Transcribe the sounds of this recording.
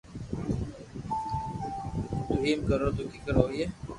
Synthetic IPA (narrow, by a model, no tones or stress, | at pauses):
t̪uɦiːmkəɾoːt̪ukikəɾoːie